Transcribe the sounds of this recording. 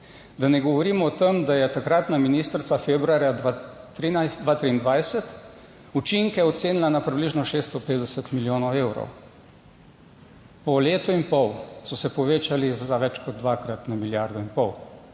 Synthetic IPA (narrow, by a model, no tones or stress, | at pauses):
d̪anɛɡɔʋɔɾiːmɔt̪emd̪ajɛt̪akɾat̪naminist̪ɾt̪safebɾuaɾjad̪at̪ɾinasd̪ʋaːt̪ɾiːnd̪ʋajsɛt̪ | ut͡ʃiŋkɛɔt̪seːnilanapɾibliʒnɔʃeːst̪ɔpeːt̪d̪ɛsɛt̪miljoːnɔweːwɾɔ̰w | pɔleːt̪ɔinpɔwsɔsɛpɔʋeːt͡ʃalizaʋɛt͡ʃkɔd̪̚d̪ʋakɾat̪namiljaɾd̪ɔinpɔw